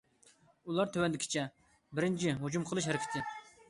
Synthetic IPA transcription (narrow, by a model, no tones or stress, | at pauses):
ulˠɑɾt̪ʰøwɛnd̪ɪkʰʲi̥t͡ʃʰɛ | bɪɾɪnt͡ʃʰɪɦud͡ʒumqʰəlˠɨʃɦɛɾɪkʲʰɪ̥t̪ʰɪ